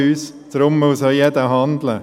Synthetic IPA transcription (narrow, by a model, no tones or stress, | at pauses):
yːs | d̥ɾʊmːəusəjɛd̪əɦɑnd̪lə